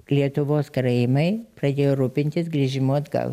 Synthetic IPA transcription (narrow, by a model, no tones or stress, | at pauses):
lʲiɛt̪ʊʋoːskɐɾɐjɪmɐɪpɾɐd̪ʲeːjoːɾuːpʲɪnʲt̪ʲɪsɡɾʲiʒʲɪmuɐd̪ɡɐ̰lˠ